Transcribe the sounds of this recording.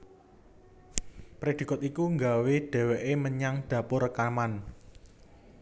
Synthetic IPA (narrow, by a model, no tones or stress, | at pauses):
pɾed̥i̤kɔt̪ikuŋɡaweɖ̥ɛ̤wɛʔeməɲaŋɖ̥ä̤pʊɾəkaman